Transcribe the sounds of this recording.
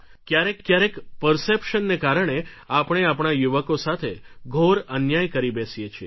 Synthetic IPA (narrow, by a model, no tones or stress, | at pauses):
kjaɾekːjaɾekpəɾsepʃənːekaɾəɳ̃e | apɳ̃eapɳajuʋəkosat̪ʰeɡʱoɾənjajkəɾibɛsijet͡ʃʰie